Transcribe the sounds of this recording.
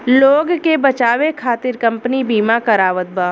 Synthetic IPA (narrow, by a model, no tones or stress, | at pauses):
loːɡkebɐt͡ʃaːʋekʰaːt̪ɪɾkɐ̃mpnibiːmakɐɾaːʋət̪̚baː